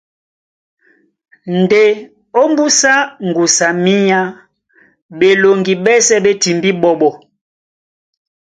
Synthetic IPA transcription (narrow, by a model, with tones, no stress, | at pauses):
n˨de˨ | o˦mbu˦sa˦ŋ̩˨ɡu˨sa˨mi˦ɲa˦ | ɓe˨lo˨ŋɡi˨ɓɛ˦sɛ˦ɓe˦ti˨mbi˦ɓɔ˨ɓɔ˨